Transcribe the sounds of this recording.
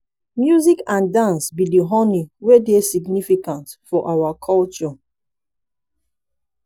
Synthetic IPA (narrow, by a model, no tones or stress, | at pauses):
mjuzikãndãnsbidiɦɔniwedesiɡnifikãntfɔʔawakʰɔlt͡ʃɔ